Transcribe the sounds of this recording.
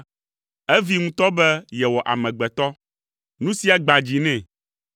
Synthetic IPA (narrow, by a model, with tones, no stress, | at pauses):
ɛ˦vi˦ŋũ˦t̪ɔ˦bɛ˦jɛ˨wɔ˨ʔa̰˨mɛ̃˨ɡ͡bɛ˨t̪ɔ˦ | nũ˦si˦a˨ɡ͡ba˨d͡ʑi˨nɛ̃˦˨